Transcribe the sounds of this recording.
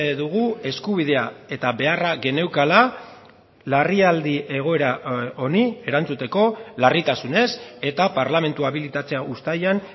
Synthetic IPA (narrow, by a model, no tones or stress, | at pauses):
ðuɣ̞ue̞skuβ̞ið̞e̞ae̞t̪aβe̞araɣe̞ne̞wkala | lariald̪iʔe̞ɣ̞o̞e̞ɾao̞nie̞ɾant͡sut̪e̞ko̞larit̪asune̞se̞t̪apaɾlame̞nt̪uaβilit̪at͡se̞aust̪ajan